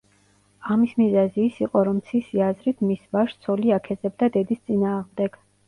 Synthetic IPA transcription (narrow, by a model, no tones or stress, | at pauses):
amismizaziːsiqʼɔɾɔmt̪sʰisiazɾit̪ʰmisvaʃt̪sʰɔliakʰɛzɛb̚d̪ad̪ɛd̪ist̪sʼinaːʁmd̪ɛɡ̥